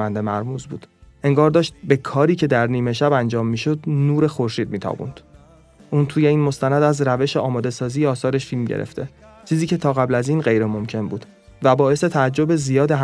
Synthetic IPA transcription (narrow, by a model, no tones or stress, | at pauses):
ænd̪emæɾmuːzbuːd̪̥ʔe̞ŋɡɒːɾd̪ɒːʃt̪̚be̞kʰɒːɾiːcʰe̞d̪æɾniːme̞ʃæbænd͡ʒɒːmːiːʃod̪nuːɾe̞xo̞ɾʃiːd̪̚miːt̪ʰɒ̰ːbṵnd̪̥ | ʔuːnt̪ʰuːje̞iːnmo̞st̪ænæd̪æzɾæve̞ʃeɒːmɒːd̪e̞sɒːziːjeɒːsɒːɾe̞ʃfilmɟḛɾḛft̪ʰe̞ | t͡ʃʰiːziːcʰe̞t̪ʰɒːɣæblæziːnɢe̞jɾemo̞mcʰe̞nbuːd̪ | væbɒːe̞se̞t̪ʰææd͡ʒːo̞bezijɒːd̪e̞ɦ